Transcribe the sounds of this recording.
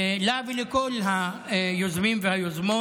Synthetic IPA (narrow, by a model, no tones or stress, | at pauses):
lavilekolɦajozmimvehajozmo